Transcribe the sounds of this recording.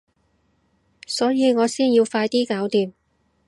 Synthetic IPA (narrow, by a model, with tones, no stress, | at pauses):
sɔː˨˥jiː˨˧ŋɔː˨˧siː˥njiː˧wfaː˧jt̪iː˥kaː˨˥wt̪iː˨˧m